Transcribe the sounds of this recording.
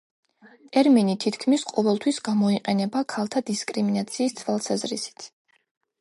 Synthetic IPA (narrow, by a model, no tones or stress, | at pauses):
t̪ʼɛɾminit̪ʰit̪ʰkʰmisqʼɔvɛlˠt̪ʰwisɡamɔiqʼɛnɛbakʰalˠt̪ʰad̪iskʼɾiminat̪sʰiːst̪sʰvalˠsazɾḭsi̥t̪ʰ